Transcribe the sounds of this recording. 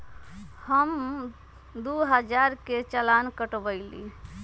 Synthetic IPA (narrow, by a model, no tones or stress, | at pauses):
həm | d̪uɦəd͡ʒaɾket͡ʃəlankəʈbəɪlḭ